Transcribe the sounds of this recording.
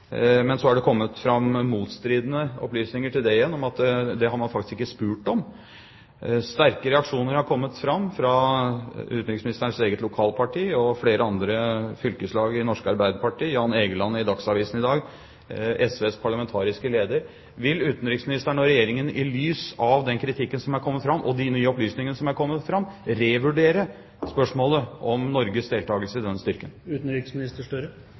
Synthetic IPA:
mɛnsɔhæɖɛkʰɔmːət̪fɾɑmːuːt̪st̪ɾiːd̪nəɔ̰plyːsnɪŋəʈʰɪld̪ɛɪjɛnːɔmɑt̪d̪ɛɦɑɾmɑnfɑk̚t̪ɪ̥skɪkːəspʉːʈɔm | st̪æɾkəɾɛɑkʂuːnəɾhɑɾkʰɔmːət̪fɾɑmːfɾɑ | ʉ̰ːt̪nɾɪksmɪnɪst̪əɳseːɡət̪lʊkʰɑːlpʰɑʈʰiːɔfleːɾəɑnd̪ɾəfʏlkəslɑːɡɪnɔʂkəɑɾbæɪd̪əɾpɑʈiːjɑːneːɡəlɑnːəɪd̪ɑksɑʋiːsn̩ɪd̪ɑːɡ | ɛsʋeːspʰɑɭɑmɛnt̪ʰɑːɾɪskəleːd̪əɾ | ʋɪlʉːt̪n̩ɾɪksmɪnɪst̪əɳɔɾɛjeːɾɪŋənɪlyːsɑʋd̪ɛnkʰɾɪt̪ʰɪkːənsɔmæɾkʰɔmːət̪fɾɑmːʔɔd̪ɪnyːəɔplyːsnɪŋənəsɔmæɾkʰɔmːət̪fɾɑmːɾeːʋʉɖeːɾə | spœʂmoːləʔɔmnɔɾɡəsd̪eːlt̪ʰɑːɡəlsəɪd̪ɛnst̪ʏɾkənʉːt̪n̩ɾɪksmɪnɪst̪əʂʈœɾə

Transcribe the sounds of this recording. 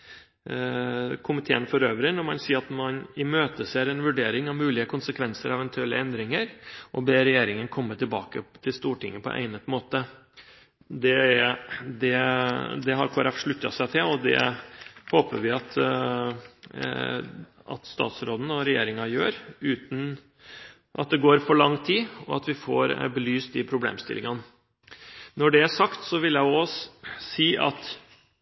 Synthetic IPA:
kʰʊmɪt̪ʰḛːənfɔɾøːʋəɾɪnɔɾmɑnsiːɾɑt̪mɑnɪmøːt̪əseːɾɛnʋʉɖeːɾɪŋɑʋmʉːlɪəkʰʊnsəkʰʋɛnsəɾɑɛʋɛnt̪ʰʉɛlːə̰ɛnd̪ɾɪŋəɾʔɔbeːɾɛjeːɾɪŋənkʰɔmːət̪ʰɪlbɑ̰ːkə̰t̪ʰɪlst̪uːʈʰɪ̰ŋːəpʰɔ̰ʔæ̰ɪnət̪moːt̪ə | d̪ɛ | d̪ɛd̪ɛɦɑɾkʰoːæɾɛfʂɭʉt̪ːɑ̰sæɪt̪ʰɪlɔd̪ɛ̰hoːpə̰ʋɪɑt̪ | ɑ̰t̪st̪ɑ̰ːt̪sɾoːd̪n̩ɔɾɛjeːɾɪŋɑjø̰ːɾʉːt̪n̩ | ʔɑ̰t̪̚d̪ɛɡoːɾfɔɭɑŋːt̪ʰiːɔɑt̪ʋɪfoːɾbəlyːst̪̚d̪ɪpʰɾʊblḛːmst̪ɪ̰lʔɪ̰ŋɑn | nɔɖɛæʂɑkt̪sɔʋɪljæɪɔsiːʔɑ̰t̪

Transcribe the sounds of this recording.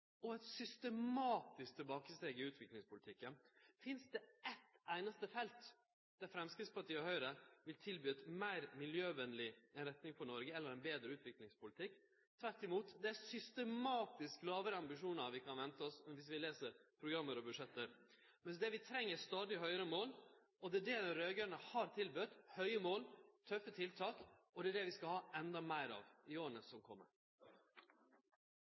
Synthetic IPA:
ɔɛt̪sʏst̪əmɑːt̪ɪsk̚t̪ʰɪlbɑːkəst̪eːɡɪʉːt̪ʰʋɪklɪŋspʊlɪt̪ʰɪkːənfɪnsd̪ɛɛt̪æɪnɑst̪əfɛlt̪ | d̪̥æɾfɾɛmskɾɪtspɑʈʰiːɔhœʏɾəʋɪlt̪ʰɪlbyːt̪mæɪɾmɪljøːʋɛnlɪɛnɾɛt̪nɪŋpʰɔnɔɾɡəɛlːəɾɛnbeːd̪ɾəʉːt̪ʋɪklɪŋspʊlɪt̪ʰɪkː | t̪ʰʋæɾʈːɪmuːt̪d̪ɛæsʏst̪əmɑːt̪ɪsklɑːʋəɾɑmbɪʂuːnɑʋɪkʰɑnʋɛnt̪əɔsmɛnʋɪs̬ʋɪleːsəɾpʰɾʊɡɾɑmːəɾɔbʉʂɛt̪ːəɾ | mɛnsd̪ɛʋɪt̪ʰɾɛŋːəst̪ɑːd̪ɪɦœʏɾəmoːl | ɔd̪ɛæɖɛɾøːɡənəhɑɾt̪ʰɪlbʉt̪hœʏəmoːlt̪ʰœfːət̪ʰɪlt̪ʰɑːkɔd̪ɛːɖɛʋɪskɑhɑːɛnd̪ɑmæɪɾɑ̰ːʋɪoːɾnəsɔmkʰɔmːə̰ɾ

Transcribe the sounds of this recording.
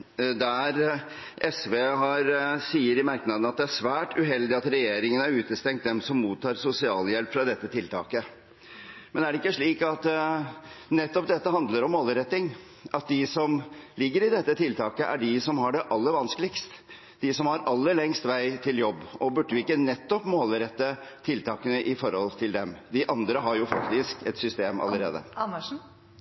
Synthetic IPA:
d̪ææɾ | ʔɛsʋeːɦɑɾsiːəɾɪmæɾknɑd̪n̩ɑt̪̚d̪ɛæʂʋæːʈʉɦɛld̪ɪɑt̪ɾɛjeːɾɪŋənæɾʉːt̪əst̪ɛŋt̪̚d̪ɛmsɔmːuːt̪ʰːɑːɾsʊsɪɑːljɛlpfɾɑd̪ɛt̪ːət̪ʰɪlt̪ʰɑ̰ːkə | mɛnæɖɛɪkːəʂɭiːkɑt̪ | nɛt̪ːɔp̚d̪ɛt̪ːəɦɑnd̪ləɾɔmːoːlɾɛt̪ːɪŋ | ʔɑt̪̚d̪ɪsɔmlɪɡːəɾɪd̪ɛt̪ːət̪ʰɪlt̪ʰɑːkəʔæ̰ɖɪsɔmhɑɖɛʔɑlːəɾʋɑnskəlɪkst̪ | d̪̥ɪsɔmhɑɾɑlːəɭɛŋst̪ʋæɪt̪ʰɪljɔbːɔbʉɖːəʋɪɪkːənɛt̪ːɔpmoːlɾɛt̪ːət̪ʰɪlt̪ʰɑːkənəʔɪfɔɾhɔlt̪ʰɪld̪ɛmd̪ɪʔɑnd̪ɾəɦɑɾjʊfɑkt̪ɪskɛt̪sʏst̪eːmɑ̰lːəɾḛːd̪ə̰ɑnəʂ̩

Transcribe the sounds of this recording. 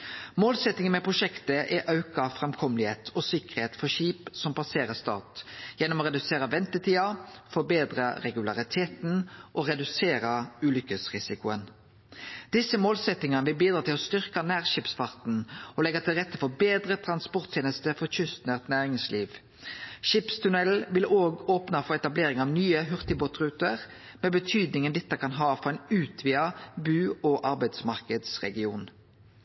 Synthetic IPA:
moːlsɛt̪nɪŋənmɛpʰʁʊʃɛkt̪əʔɛʔɑʉkɑfʁɛmkʰɔmlɪheːt̪ʰɔsɪkəʁheːt̪fɔʃiːpsɔmpʰɑseːʁəst̪ɑ̰ːʁt̪jɛnːɔmoːʁɛd̪ʉseːɾəʋɛnt̪ət̪ʰiːɑfɔbeːd̪ʁɑʁɛɡʉlɑʁɪt̪ʰeːt̪nʔɔʁɛd̪ʉseːɾɑʉːlʏkəsʁɪsɪkʊən | d̪̥ɪsəmoːlsɛt̪ːɪŋənəʋɪlbiːd̪ɾɑːt̪ɪlɔst̪ʏʁkɑnæːʁʃiːpsfɑʁt̪n̩ɔlɛɡɑt̪ʰɪlʁɛt̪ːəfɔbeːd̪ʁət̪ʰɾɑnspɔʁt̪ʰjeːnəst̪əfɔt͡ʃʏst̪nəʁt̪næːʁɪŋsliːʋ | ʃɪpst̪ʰʉnɛlʋɪloːɡoːpnɑfɔɛt̪ɑbleːɾɪŋɑʋnyːəɦʉʁt̪ɪbɔt̪ʁʉːt̪əʁ | meːbət̪ʰyːd̪nɪŋənd̪ɛt̪ːəkʰɑnɦɑːfɔʁɛɪnʉːt̪ʰʋiːɑbʉːɔːʔɑʁbæɪd̪smɑʁkəd̪sʁɛ̰ɡɪuːn

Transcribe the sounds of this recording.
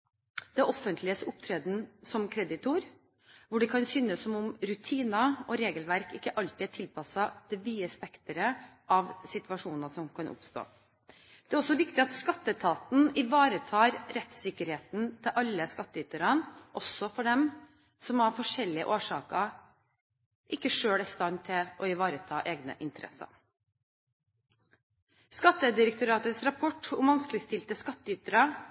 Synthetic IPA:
d̪ɛʔɔfənt̪lɪəsʊpt̪ʰɾeːd̪n̩sɔmkʰɾɛd̪ɪt̪ʰuːɾ | ʋʊɖɛkʰɑnsʏnəsːɔmʊmɾʉt̪ʰiːnɑɔɾeːɡəlʋæɾkɪkːəʔɑlt̪ɪæʈʰɪlpʰɑsɑd̪ɪʋiːəspɛkt̪əɾə | ʔɑʋsɪt̪ʋɑʂuːnɑsɔmkʰɑnʔʊ̰pst̪o̰ː | d̪̥ɛæɾɔsːɔʋɪkt̪ɪɑt̪skɑt̪ːət̪ʰɑːt̪n̩ɪʋɑːɾət̪ʰɑːɾɾɛt̪sɪkːəɾheːt̪nt̪ʰɪlʔɑlːəskɑt̪ːəʏt̪əɾɑnʔɔsɔfɔɖɛm | sɔmhɑɾfɔʂɛlːɪə̰ʔoːʂɑːkə | ʔɪkːəʂøːɽæst̪ɑnt̪ʰːɪlʔɔɪʋɑːɾət̪ʰɑːʔeːɡnə̰ʔɪnt̪əɾʔɛ̰sːɑ̰ | skɑt̪ːəd̪ɪɾək̚t̪ʊɾɑːt̪əsɾɑpʰɔʈːʊmʋɑnsklɪəst̪ɪlt̪əskɑt̪ːəʏt̪əɾɑ

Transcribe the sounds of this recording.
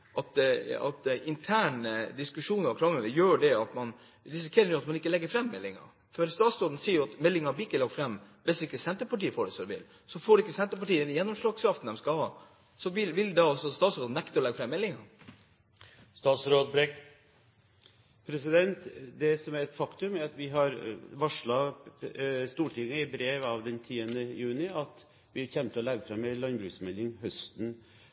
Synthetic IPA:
ʔɑt̪ɑ̰t̪ɪnt̪ʰæːɳd̪ɪskʉʂuːnɑkʰɾɑŋːənəjøːɖɛɑt̪mɑn | ɾɪs̬ɪkʰeːɾənʊːɑt̪mɑnɪkːəlɛɡːəɾfɾɛmːɛlːɪŋɑ̰ | fɔɾst̪ɑːt̪sɾoːd̪n̩siːəɾjʊɑt̪mɛlːɪŋɑb̪ɪɪkːəlɑːɡfɾɛmː | ʋɪsd̪ɪkːəsɛnt̪əpɑʈiːəfoːɖɛsɔd̪ɛʋɪ̰l | sɔfoːɖɛɪkːəsɛnt̪əpɑʈiːəd̪ɛnjɛnːɔmʂɭɑːɡskʰɾɑft̪n̩d̪ɛmskɑlhɑː | sɔʋɪʋɪld̪ɑɑsɔst̪ɑːt̪sɾoːd̪n̩ɛkt̪əɾɔlɛɡəfɾɛmːɛlːɪŋɑ | st̪ɑːt̪sɾoːd̪̚bɾɛ | pʰɾɛsɪd̪ɛnt̪d̪ɛsɔmæɾɛt̪fɑkt̪ʉmæɾɑt̪ʋɪɦɑɾʋɑʂɭɑ | st̪uːʈʰɪŋːəɪbɾeːʋɑʋd̪ɛnt̪ʰiːənd̪əjʉːnɪɑt̪ | ʋɪçɛmt̪ʰəɔlɛɡəfɾɑmɛɪlɑnbɾʉːksmɛlːɪŋhœst̪n

